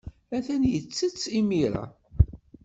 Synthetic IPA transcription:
æθænjət͡sːət͡sːimiɾa̰

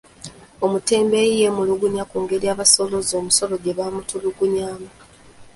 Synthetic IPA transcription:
omute̞ːmbejje̞muluɡuɲakuːŋɡe̞ɾiaːβaso̞lo̞zo̞ːmuso̞lo̞ɟe̞βaːmutuluɡuɲaːma

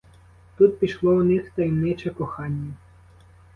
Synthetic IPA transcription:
t̪ut̪̚pʲiʃlˠɔwnɪxt̪ɐjmnɪt͡ʃɛkɔxɑnʲːɐ

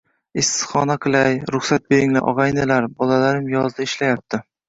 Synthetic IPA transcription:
ɪsɪzχɒnaqʰɨlˠajɾʊχsat̪̚be̞ɾɪŋla̰ʔɒ̰ʁɑjnɪlaɾbɒlalaɾɪmjɒzd̪aɪʃlajap̚t̪ʰɪ

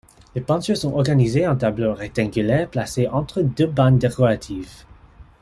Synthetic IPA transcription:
lepɑ̃sysɔ̃ʔɔʁɡanizeɑ̃t̪abloʁɛk̚t̪ãɡylɛːʁplaseʔɑ̃t̪χəd̪øband̪ekɔʁat̪ʰiv

